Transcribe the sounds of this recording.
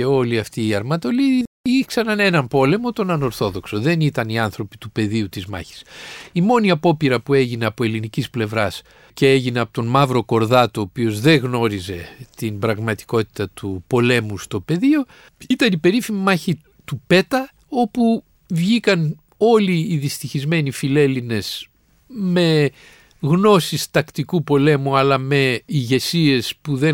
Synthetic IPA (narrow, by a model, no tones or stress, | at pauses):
eo̞liɐft̪iːɐɾmɐt̪o̞li | iksɐnɐne̞nɐmpo̞le̞mo̞t̪o̞nɐno̞ɾθo̞ðo̞kso̞ðe̞nit̪ɐniɐnθɾo̞pi̥t̪upe̞ðiut̪izmɐ̰çi̥simo̞niɐpo̞piɾɐpue̞ʝine̞ɐpoe̞linicisple̞vɾɐs | ceeʝine̞ɐpot̪o̞nmɐvɾo̞ko̞ɾðɐt̪oːpio̞zðe̞ɣno̞ɾize̞t̪imbɾɐɣmɐt̪i̥ko̞t̪i̥t̪ɐt̪upo̞le̞must̪o̞pe̞ðio̞ | it̪ɐnipe̞ɾifimimɐçi | t̪upe̞t̪ɐ | o̞pu | vʝikɐn | o̞liːðist̪içizme̞nifile̞line̞s | me̞ | ɣno̞sist̪ɐkt̪ikupo̞le̞muɐlɐme̞iʝe̞sie̞spuðe̞